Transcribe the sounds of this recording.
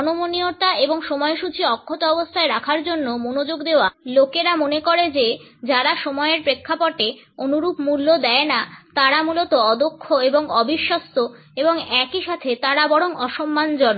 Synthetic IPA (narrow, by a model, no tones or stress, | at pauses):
ɔnomonioʈaeboŋʃɔmɔeʃut͡ɕʰiɔkʰːot̪oɔbost̪ʰaeɾakʰaɾd͡ʑonːomonod͡ʑoɡd̪eoalokeɾamonekoɾed͡ʑed͡ʑaɾaʃɔmɔeeɾpɾekʰːapoʈeonuɾupmulːod̪ɛenat̪aɾamulot̪oɔd̪okʰːoeboŋɔbiʃːost̪o | eboŋɛkiʃat̪ʰet̪aɾabɔɽoŋɔʃomːand͡ʑɔnːo